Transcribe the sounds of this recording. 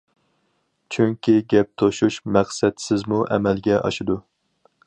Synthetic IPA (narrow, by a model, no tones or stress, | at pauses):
t͡ʃʰyŋkʲʰiɡʲɛp̚t̪ʰoʃuʃmæqsɛt̪sɪzmuʔɛ̰mɛlɡʲɛʔɑ̰ʃɪd̪u